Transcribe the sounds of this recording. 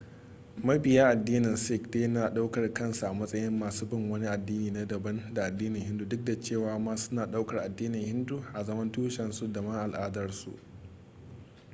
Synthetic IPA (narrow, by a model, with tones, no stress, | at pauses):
mɐ˦jbɪ˨jaː˦ʔa˨dːiː˦nɪ˨nsɪ˦˨kdeː˦naː˨ɗa˦wkɐ˨rkɐ˦nsu˨ʔa˨mɐ˦sʼɐ˦jɪ˦mːaː˨suː˦bɪ˦˨ŋwɐ˦ni˦ʔa˨dːiː˦niː˨na˦dɐ˨bɐ˦nda˨ʔa˨dːiː˦nɪ˨hɪ˦ndu˦dʊ˦k̚da˨t͡ʃeː˦˨waː˨maː˦sʊ̥˦naː˨ɗa˦wkɐ˨rʔa˨dːiː˦nɪ˨ŋhɪ˦ndu˦ʔa˨zɐ˦mɐ˦ntuː˦ʃɛ˨nsu˦dɐ˨mɐ˦ŋʔa˨lʔaː˦dɐ˦rsṵ˨ʔ